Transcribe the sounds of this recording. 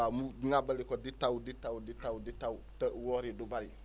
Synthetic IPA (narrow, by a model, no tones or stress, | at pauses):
amuŋabəlikɔditawuditawditawditawutəwɔɾidubaɾi